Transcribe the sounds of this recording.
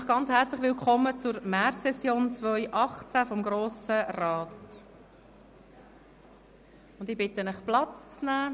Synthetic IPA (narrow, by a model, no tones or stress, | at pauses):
χɡ̥ɑnt͡shɛɾt͡slɪχʋɪlkʰɔmət͡sʊɾmæɾtsɛsjoːnt͡svœʏʔɑχt͡sæfɔmɡɾoːsərɑːt | ʊnd̪ɪbɪtənəχplɑt͡st͡snæː